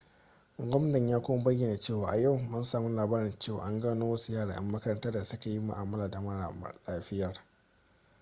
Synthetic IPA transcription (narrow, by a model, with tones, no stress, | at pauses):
ɡʷɔ˦mn˦nɪ˨ɲjaː˦kʷoː˦ma˦bɐ˦je˨na˨t͡ʃeː˦˨waː˨ʔa˨ja˦˨wmʊ˦nsaː˨mu˦laː˨baː˦ɾɪ˨nt͡ʃeː˦˨wa̰ː˨ʔa˦ŋɡaː˦noː˦wɐ˦su˦jaː˦ɽaː˨ʔɪ̰˦mːɐ˦kɐ˦ɾɐ˨ntɐ˦rda˨sɐ˦ka˨ji˦mʊ̰˨ʔaː˨mɐ˦laː˨da˨mɐ˦a̰˨˦laː˦ɸɪ˦jɐ˨r